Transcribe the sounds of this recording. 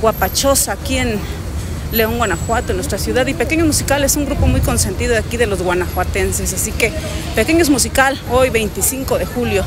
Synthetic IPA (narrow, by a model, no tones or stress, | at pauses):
ɡwapat͡ʃosakien | leoŋwʷanaxwat̪onwest̪ɾasjuðaðipekeɲosmusikalesuŋɡɾupomujkonsent̪iðoekiðeloswanaxwat̪ensesasikepekeɲos̬mus̬ikalojβejnt̪isiŋkoðexuljo